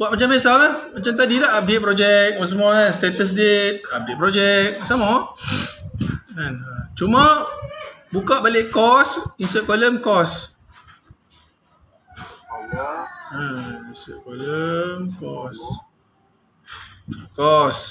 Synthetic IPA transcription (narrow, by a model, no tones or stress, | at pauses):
buat̪̚mat͡ʃambesakamat͡ʃamt̪̬adilaʔap̚det̪̚pɾod͡ʒɛk̚wɔs̬əmuaast̪ɛt̪əs̬det̪̚ap̚det̪̚pɾɔd͡ʒɛk̚sama | anat͡ʃumã | bukaʔbalɪʔkɔsinsəʔ̚kaləmkɔs | ainsə̰t̚kaləmkɔs | kɔs